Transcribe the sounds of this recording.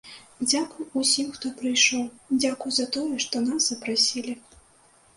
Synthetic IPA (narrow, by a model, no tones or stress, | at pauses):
d͡zʲakujusʲimxt̪ɔpɾɨjʂɔwd͡zʲakujzɐat̪ɔjɛʂt̪ɔnazzɐpɾasʲilʲi